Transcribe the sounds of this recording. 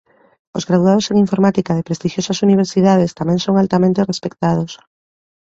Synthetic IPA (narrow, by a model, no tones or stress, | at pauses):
o̰zɣɾaðuað̞oseŋiɱfoɾmat̪ikað̞epɾest̪iʃjosasuniβ̞eɾsiðað̞est̪amẽŋsoŋalt̪amẽnt̪erespekt̪að̞os